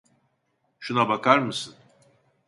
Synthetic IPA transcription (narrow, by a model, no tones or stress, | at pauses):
ʃunabakʰaɾmɯsɯn